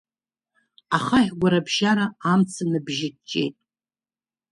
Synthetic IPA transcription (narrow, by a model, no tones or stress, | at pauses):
aχaħʲɡʷaɾabʒaɾaamt͡sʰanɨbʒɪt͡ʃʼe̞̰jtʼ